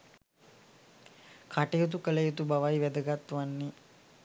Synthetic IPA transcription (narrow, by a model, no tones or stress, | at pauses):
kʰaʈejot̪̬ukələjet̪ubaʋajʋɛd̪əɡat̪ːʋanːi